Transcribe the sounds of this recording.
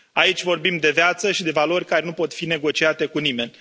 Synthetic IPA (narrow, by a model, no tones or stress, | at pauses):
ait͡ʃʲvo̞rbimd̪e̞vjat̪səʃid̪e̞valo̞rʲkaɾenupo̞t̪fine̞ɡo̞t͡ʃiat̪e̞kunime̞nʲ